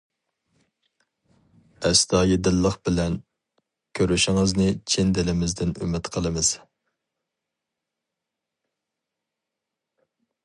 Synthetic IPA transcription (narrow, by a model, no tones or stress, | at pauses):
ɛst̪ɑːjed̪ɪlˠːəχbɪlɛn | kʲʰøɾyʃɪŋɨznɪt͡ʃʰend̪ɪlɪmɪzd̪ɪny̰mːɪt̪qʰəlˠɨmɨz̥